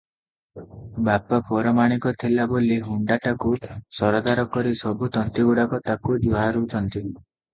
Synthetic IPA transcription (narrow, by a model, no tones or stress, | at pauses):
bapapɔɾɔmaɽ̃ikɔt̪ʰilaboliɦuɳɖaʈakusɔɾɔd̪aɾɔkɔɾisɔbut̪ɔnt̪iɡuɽakɔt̪akud͡ʒuɦaɾut͡ʃʰɔnt̪i